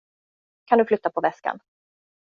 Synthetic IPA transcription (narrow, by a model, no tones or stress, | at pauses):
kʰand̪ɵflʏt̪ːapʰɔvɛska̰n